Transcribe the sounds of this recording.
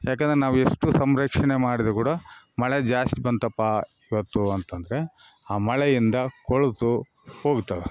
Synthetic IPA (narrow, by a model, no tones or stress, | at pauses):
jaːkeɛːnd̪ɐɾeɛnaːʋueʂʈusɐmɾɐkʂɐɳemaːɽid̪kuːɽɐ | mɐɭɛd͡ʒaːst̪ibɐnt̪ɐpːa | iʋɐt̪ːuɐnt̪ɐnd̪ɐɾe̞ | aːmɐɭɛjind̪ɐkoɭt̪u | ho̞ːɡt̪ːɐʋe